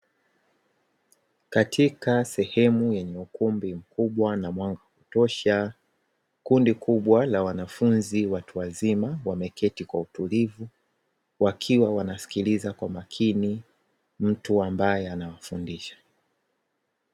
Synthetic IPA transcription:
katʰikasɛhɛmujɛɲɛukumbim̩kuɓwanamwaŋɡakutɔʃa | kundikuɓwalawanafunziwatuwazimawamɛkʰɛtikwautulivu | wakʰiwawanasi̥kilizakwamakʰini | m̩tuambajɛanawafundiʃḁ

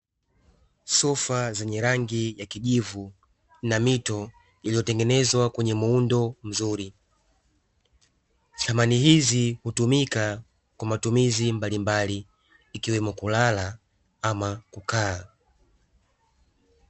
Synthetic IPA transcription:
sɔfazaɲɛɾaŋɡijakiʄivu | namitɔ | ilijɔtɛŋɡɛnɛzwakwɛɲɛmuundɔm̩zuːɾi | tʰamaniɦizihutumika | kwamatumizimbalimbaliː | kiwɛmɔkulala | amakukʰaː

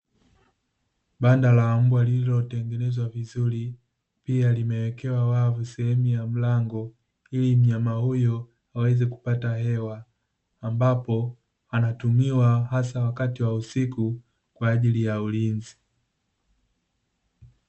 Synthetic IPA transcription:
ɓandalaːm̩bwalilɔtɛŋɡɛnɛzwavizuli | pialimɛwɛkɛwawavusɛhɛmujam̩laŋɡɔ | ilim̩ɲamahujɔ | awɛzɛku̥pataɦɛwaː | mbapɔ | anatumiwahasawakatiwausiku | kwaːʄilijaulinzi

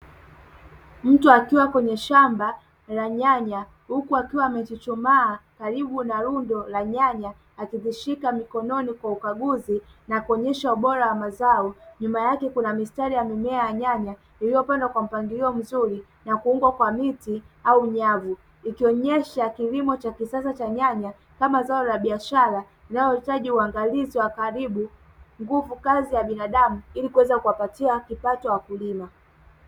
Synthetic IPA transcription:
m̩tuakiwakwɛɲɛʃamba | laɲaɲa | hukuakiwaːmɛt͡ʃit͡ʃumaːkaɾiɓunaɾundɔlaɲaɲaː | kiðiʃikamikɔnɔnikwaukaɠuzinakuɔɲɛʃauɓɔɾawamazaɔɲumajakɛkunamistaɾijamimɛajaɲaɲa | iliɔpɛndakwam̩paŋɡiliɔm̩zuɾi | nakuuŋɡwakwamiti | auɲavu | ikiɔɲɛʃakilimɔt͡ʃakisasat͡ʃaɲaɲa | kamazaɔlaɓiaʃaɾa | linajɔhitaʄiuaŋɡaliziwakaɾiɓu | ŋɡuvukazijaɓinaɗamuilikuwɛzakuwapatiakipatɔwakulima

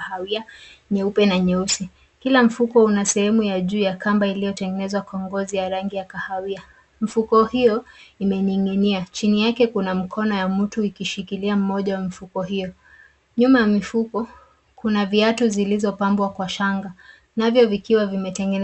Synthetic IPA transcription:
haiaɲɛupɛnaɲɛusi | kilam̩fukɔunasɛhɛmujaʄuːjakambailijɔtɛŋɡɛnɛzwakɔŋɡɔzijaɾaŋɡijakahawia | m̩fukɔhijɔimɛɲiŋɡiniat͡ʃinijakɛkunam̩kʰɔnɔjamm̩tuikiʃikiliam̩mɔʄawamifukɔɦijɔ | ɲumajamifukɔ | kunaviatuzilizɔpambwakwaʃaŋɡa | navjɔvikiwavimɛtɛŋɡɛn

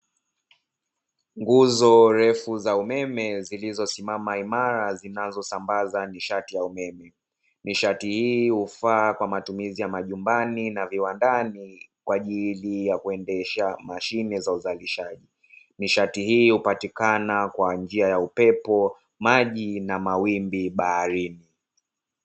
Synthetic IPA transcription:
ŋɡuzɔɾɛfuzaumɛmɛzilizɔsimamaimaɾazinazɔsambazaniʃatijaumɛmɛ | niʃatihiːhufakwamatumizijamaʄumbaninaviwandanikwaʄilijakuɛndɛʃamaʃinɛzauzaliʃaʄi | niʃatihiːhupatikanakwand͡ʒiajaupɛpɔ | maʄinamawimbiɓahaɾini

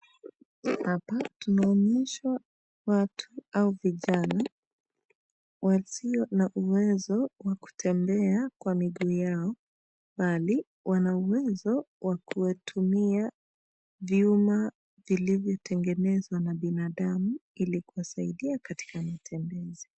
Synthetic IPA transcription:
hapatunaɔɲɛʃwa | watʰuauviʄana | wasiɔnaʔuwɛzɔwaku̥tʰɛmbɛakwamiɡuːjaɔ | ɓali | wʔanauwɛzɔ | wakuwɛtʰumia | viuma | vilivjɔtʰɛŋɡɛnɛzwanaɓinaɗamuilikuwasaiɗiakati̥kamatʰɛmbɛzi

